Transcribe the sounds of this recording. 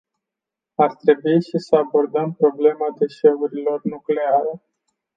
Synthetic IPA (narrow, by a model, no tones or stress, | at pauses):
art̪ɾe̞buiʃisəabo̞rd̪əmpɾo̞ble̞mad̪e̞ʃe̞uɾilo̞rnukle̞aɾe